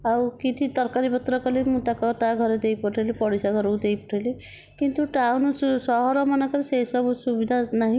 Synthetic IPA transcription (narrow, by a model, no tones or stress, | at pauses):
awkit̪ʰit̪ɔɾkaɾipɔt̪ɾɔkɔlemut̪akɔt̪aɡʱɔɾed̪ejpɔʈʰelepɔɽisaɡɔɾowd̪ejpɔʈʰele | kint̪uʈawnusɔɦɔɾɔmanɔkɔlesesɔbusubid̪ʱanaɦĩ